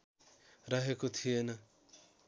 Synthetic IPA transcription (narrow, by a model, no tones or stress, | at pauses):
ɾʌɦekot̪ʰijenʌ